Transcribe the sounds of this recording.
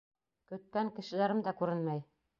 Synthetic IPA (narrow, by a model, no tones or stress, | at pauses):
kɵ̆t̪̚kæŋkɘ̆ʃɘ̆læɾɘmd̪ækʉɾɘnmæj